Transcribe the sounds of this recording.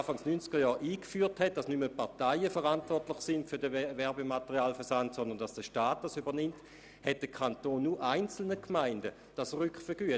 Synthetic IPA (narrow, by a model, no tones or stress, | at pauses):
faŋsnynt͡sɡ̥əjɔːʁʔiːkfyːɐthɛt̚d̥asnyməpaʁtaɪəfəʁantvɔʁtlɪχsɪntfyɐdəvɛʁbematəʁiaːlfəɐsantsɔndɐnd̥asd̥əʃtaːt̚d̥asybɐnɪmt | hɛt̚d̥əkʰantoːnːuʔaɪnt͡sl̩nəkʰmaɪndə | d̥asʁʏkχfəɡ̥yə